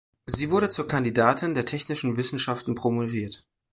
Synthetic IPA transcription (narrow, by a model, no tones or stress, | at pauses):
ziːvʊɐɾət͡suːɐkʰandidaːtʰɪndeːɐtʰɛçnɪʃn̩vɪsn̩ʃaftn̩pʁ̥omoʁiːɐt